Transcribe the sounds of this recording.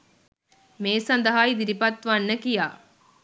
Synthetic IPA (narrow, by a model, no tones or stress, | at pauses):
meːsɐnd̪əɦaːjd̪iɾipɐt̪ʋɐnːəkijaː